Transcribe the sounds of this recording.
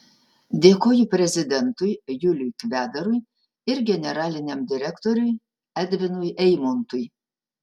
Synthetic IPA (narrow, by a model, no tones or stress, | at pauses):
d̪ʲeːkoːjʊpʲɾʲɛzʲɪd̪ʲɛnt̪ʊjjʊlʲʊjkʋʲæːd̪ɐɾʊj | ɪɾɡʲɛnʲɛɾɑːlʲɪnʲɛmd̪ʲɪɾʲɛkt̪ɔɾʲʊj | æd̪ʲʋʲɪnʊjʔɛɪmont̪ʊj